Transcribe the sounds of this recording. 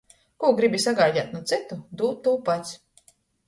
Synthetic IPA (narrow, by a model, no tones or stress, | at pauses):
kuɔɡɾibisaɡaːɟaːt̪nut̪sɨt̪ud̪uːt̪ːuːpat̪sʲ